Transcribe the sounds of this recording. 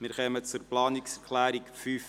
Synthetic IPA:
mɪːɾχœmət͡sʊɾplɑːnikskχlæːɾikfyːf

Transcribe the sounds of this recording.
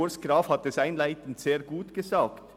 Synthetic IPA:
oːɾsɡ̥ɾɑːfhɑt̪̚əsæɪnlæɪt̪n̩t̪seːɾɡuːt̪ɡ̥əsɑːkt̪

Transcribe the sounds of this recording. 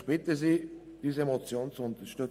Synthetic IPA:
b̥ɪtəziː | d̥iːzəemot͡sjoːnt͡suʊnt̪ɐʃtʏ

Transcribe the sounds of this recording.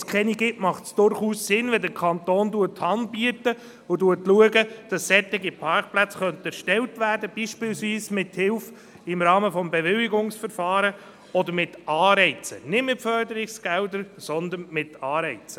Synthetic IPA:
skχɛniɡɪtmɑχtsd̥ʊɾχuːsːɪnʋɛldəɾkʰɑnt̪oːnduətːhɑndbiətə | ʊduətluəɡəd̥ɑsːɛt̪ɪɡipʰɑɾkplæt͡sχœnt̪ɛɾʃtɛltʋæːɾdəb̥iːʃpɪlsʋiːsmɪthɪlf | ɪmɾɑːməfɔmbɛʋɪlɪɡʊŋsfəɾfɑːɾə | ɔd̪əɾmɪtɑːɾɛɪt͡sə̰nɪdmɪtfœɾdəɾɪksɡ̥ɛldəɾsɔnd̪ənmɪtɑːɾɛɪt͡sə̥

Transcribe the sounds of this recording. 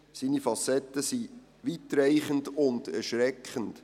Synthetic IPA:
siːnifɑsɛt̪ːəsi | ʋit̪ɾɛɪχəndʊndɛɾʃɾɛkχənd̥

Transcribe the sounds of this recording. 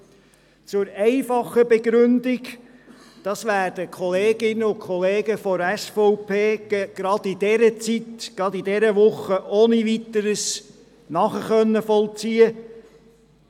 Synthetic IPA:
t͡sʊɾɛɪfɑχəbɛɡɾʏndɪk | d̥ɑsʋæːɾdəkʰχɔleːɡ̥ɪnːəʊkʰχɔleːɡəfɔɾɛsfɔwpʰeːɡ̥ɾɑd̥id̥ɛɾət͡sit̪ɡ̥ɾɑd̪idɛɾəʋʊχəʔoːnivit̪əɾəs | nɑχəχœnːəfɔlt͡siːə

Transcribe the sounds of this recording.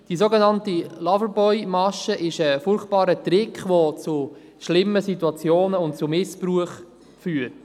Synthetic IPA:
d̥iːsoɡenɑntilɑvəɾbɔʏmɑʃəʔɪʃəfʊrχtpɑːɾətɾɪkχʋot͡su | ʃlɪmːəsituɑt͡sjoːnəʊnt̚t͡sumɪspruəχ | fyːəɾt

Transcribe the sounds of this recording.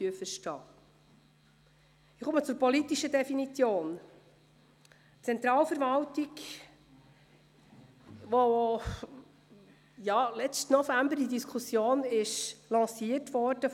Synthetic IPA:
yəfəɾʃtɑː | ɪχumət͡sʊɾpɔlitiʃədɛfinit͡sjoːn | t͡sɛnt̪ɾɑːlfəɾvɑltik | ʋo | jɑːlɛt͡stnɔfæmbəɾidiskʰχusjoːnɪʃlɑ̃ːsiətʋɔɾd̥ə

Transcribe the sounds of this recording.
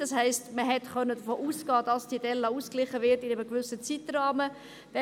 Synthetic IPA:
d̥ɑshɛɪstməɦɛtχœnːədəfoːʔuːsɡ̥ɑːd̥ɑsd̥iəd̥ɛlːɑuːsklɪχəvɪɾtɪnɛməkʋʏsət͡sitrɑːmə | d̥ɛ

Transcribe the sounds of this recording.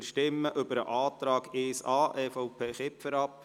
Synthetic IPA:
ʃtɪmːəʔʏbəɾə̰ʔɑːt̪ɾɑːɡeːsɑːʔɛfoʊpʰeːχɪpfəɾɑp

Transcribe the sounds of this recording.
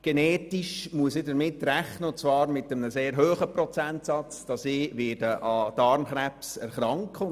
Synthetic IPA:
ɡ̥eneːtiʃmuəsɪdəɾmɪtːræχnəʊnt͡svɑːɾmɪtəmənəseːɾɦøːχəprɔt͡sæntsɑt͡sd̥ɑsiːʋɪːdəʔɑd̥ɑɾmχɾɛpsɛ̰ɾχɾɑŋk

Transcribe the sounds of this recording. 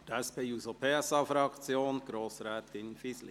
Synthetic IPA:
d̥ɛspeːjuzopʰɛsɑfɾɑkt͡sjoːnɡ̥ɾoːsɾɛːt̪ɪnfisli

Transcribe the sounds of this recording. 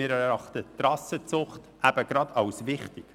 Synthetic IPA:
ɪːɾɛɛɾɑχtətrɑsət͡sʊχt | ʔæb̥əɡ̥ɾɑdɑwsvɪχtɪk

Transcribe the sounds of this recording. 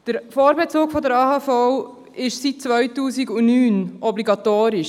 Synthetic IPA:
d̥əɾfoːɾbɛt͡suːkfɔd̪əɾɑːhɑːfɔw | ɪʃsit̚t͡sʋœɥtuːsiɡʊnyːnɔbliɡɑt̪oːɾiʃ

